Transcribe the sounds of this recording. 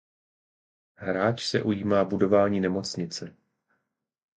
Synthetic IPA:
ɦɾaːt͡ʃsɛ̰ʔujiːmaːbudo̞vaːɲiːnɛmo̞t͡sɲɪt͡sɛ

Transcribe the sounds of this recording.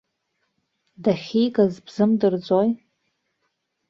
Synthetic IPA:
daχʲijɡʼazbz̥ɨmdɨrd͡zʷʼoj

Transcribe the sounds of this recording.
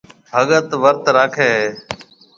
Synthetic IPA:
bʱəɠət̪ʋəɾt̪ɾaːkʰeːɦː

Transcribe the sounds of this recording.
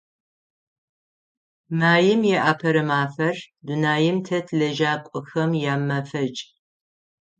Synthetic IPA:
maːjɪmjɛʔapʰɐɾɐmaːfɐrdunaːjɪmtʰɐtʰlɐʒaːkʷʼɨxɐmjaːmːɐfɐt͡ʃʼ

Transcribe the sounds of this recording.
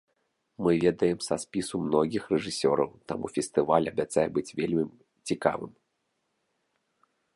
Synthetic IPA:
mɨvʲɛd̪ɐjɛmsaspʲisumnɔɡʲixrɛʐɨsʲɔ̰ɾɐwt̪amṵfʲɛst̪ɨvalʲɐbʲat̪sajɛbɨt͡sʲvʲelʲmʲi | t͡sʲika̰vɨm

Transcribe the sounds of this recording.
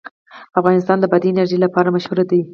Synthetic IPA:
afɣɑnɪs̬t̪ɑnd̪əbad̪iɪnaɾʒəjlapɑɾamaʃhuɾad̪awi

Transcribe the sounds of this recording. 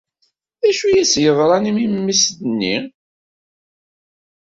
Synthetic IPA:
ðæʃujæsjəðˤɾˤɑnimimmːisðnːi

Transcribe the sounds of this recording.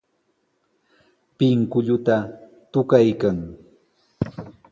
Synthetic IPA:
pɪŋkʊʎʊt̪a | t̪ʊkajkaŋ

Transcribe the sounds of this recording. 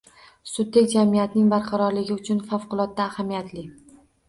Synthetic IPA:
sʊd̪ːekʲd͡ʒamijat̪nɪŋbaɾqʰɑɾɒɾlɪɡʲɪʊt͡ʃʰʊnfafqʊlˠɒt̪̚ːaːhamijat̪ʰlɪ

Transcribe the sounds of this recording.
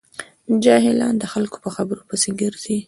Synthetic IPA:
d͡ʒɑɦɪlɑ̰nd̪əxalko̥pəxabəɾopəsɪɡəɾd̪i

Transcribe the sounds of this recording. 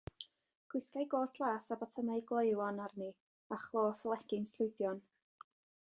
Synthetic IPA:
ɡ̥wɪskajɡoːtʰlˠaːsabatʰəmaɨɡlˠɔɨwɔnarni | aχlˠoːsəlˠɛɡ̥ɪnsʰlʊɨdjɔn

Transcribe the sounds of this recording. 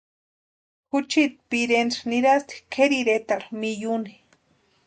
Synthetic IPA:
kʊt͡ʃit̪̚piɾenɾniɾast̪i̥kʰeɾiɾet̪aɾmijuni

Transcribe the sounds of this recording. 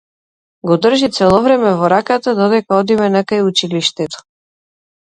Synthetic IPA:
ɡɔd̪r̩ʒit̪sɛlˠɔvɾɛmɛvɔɾakat̪ad̪ɔd̪ɛkaɔd̪imɛnakajut͡ʃiliʃt̪ɛt̪ɔ̥

